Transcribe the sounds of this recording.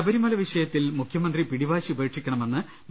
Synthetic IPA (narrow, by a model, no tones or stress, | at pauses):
ɐbɐɾimɐlɐʋiʂɐjɐt̪ːilmukʰjɐmɐnd̪ripiɽibaːɕiube̞ːʈʂikʲːɐɳɐme̞nːɨ